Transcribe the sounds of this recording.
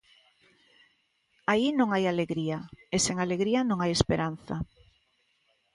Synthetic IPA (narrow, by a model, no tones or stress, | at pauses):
ainõŋajaleɣɾiaeseŋaleɣɾianõŋajespeɾan̟θa